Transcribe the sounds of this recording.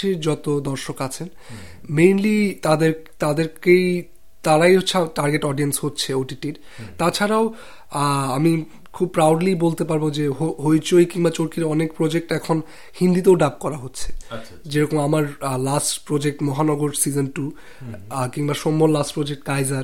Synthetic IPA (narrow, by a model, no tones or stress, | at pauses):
iɾd͡ʑɔt̪od̪ɔɾʃokat͡ɕʰen | mejnlit̪ad̪eɾt̪ad̪eɾkej | t̪aɾajɦotːɕʰeʈaɾɡeʈɔɖienshotːɕʰeoʈiʈiɾ | t̪at͡ɕʰaɾao | ami | kʰub̚pɾawɖlibolt̪epaɾbod͡ʑeɦoɦojt͡ɕojkiŋbat͡ɕoɾkiɾɔnekpɾod͡ʑek̚ʈɛkʰon | hind̪it̪̬eoɖap̚kɔɾaɦotːɕʰe̥ | d͡ʑeɾɔkomamaɾlasʈpɾod͡ʑek̚ʈmɔɦanɔɡoɾsid͡ʑonʈu | kiŋbaʃomːollasʈpɾod͡ʑek̚ʈkajzaɾ